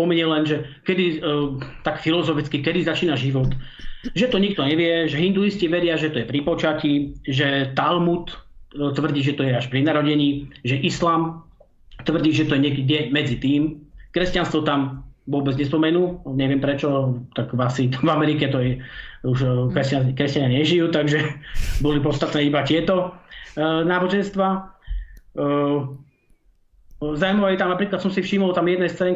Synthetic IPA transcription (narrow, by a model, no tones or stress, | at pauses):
spɔmiɲɛlɛnʒɛkɛd̪i | t̪akfilɔzɔfit͡skikɛd̪izat͡ʃiːnaʒiʋɔt̪ʒɛt̪ɔɲik̚t̪ɔɲɛʋɪɛʒɛɦind̪uisciʋɛɾɪaʒɛt̪ɔjɛpɾipɔt͡ʃaciʒɛt̪almut̪t̪ʋr̩ɟiːʒɛt̪ɔjɛaʃpɾinaɾɔɟɛɲiːʒɛʔislaːm | t̪ʋr̩ɟiːʒɛt̪ɔjɛɲɛkɛdɛmɛd͡zit̪iːmkɾɛscanst̪ʋɔt̪amʋʊɔbɛd͡zɲɛspɔmɛnuːɲɛʋɪɛmpɾɛt͡ʃɔt̪aɡasit̪vamɛɾikɛt̪ɔjɛuʃkɾɛscakɾɛscaɲaɲɛʒijuːt̪aɡʒɛbɔlip̬ɔt̪st̪at̪nɛːibacɪɛt̪ɔ | naːbɔʒɛnst̪ʋaː | zamɔajt̪amnapɾiːklat̪sɔmsifʃiːmɔlt̪amjɛd̪nɛjst͡sɛɲ